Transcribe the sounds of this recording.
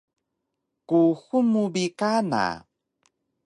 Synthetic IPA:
kuxumubikana̰

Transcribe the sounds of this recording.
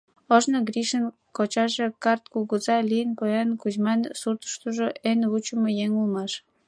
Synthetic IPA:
əʒnəɡɾiʃən | kot͡ɕɑʒekɑrt̪̚kuɣəzɑlijənpojɑnkuzmɑnsurt̪ə̥ʃt̪uʒoʔenvut͡ɕəmojeŋulmɑʃ

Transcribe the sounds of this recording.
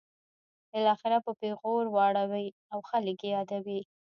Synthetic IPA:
bɪlɑxɪɾapəpeɣoɾwɑɽawaj | awxalkejɑd̪awi

